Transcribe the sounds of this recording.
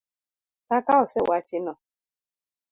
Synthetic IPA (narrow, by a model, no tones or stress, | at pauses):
takaɔsewat͡ʃinɔ